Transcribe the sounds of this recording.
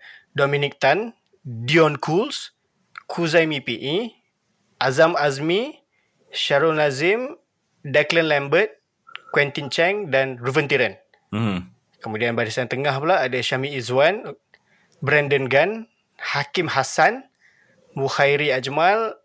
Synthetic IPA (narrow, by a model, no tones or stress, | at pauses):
dɔmĩnik̚t̪an | diɔnkʰuls | kʰuzajmipiʔi | ʔazamazmi | ʃaɾɔlazɪm | daklənlɛmbət̪̚ | kwɛnt̪int͡ʃɛŋdanruvənt̪iɾən | kəmudianbaɾisant̪əŋahpulaːdaʃamiːzwan | bɾɛndənɡan | hakimhasan | muhajɾiad͡ʒmal